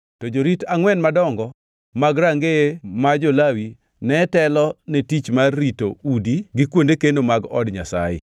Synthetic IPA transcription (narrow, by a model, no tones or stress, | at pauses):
tɔd͡ʒoɾitaŋwɛnmadɔŋɡɔ | maɡɾaŋɡemad͡ʒolawi | nɛtɛlɔnetit͡ʃmarːitoudiɡɪkwondekendomaɡɔ̰dɲasa̰jɪ̰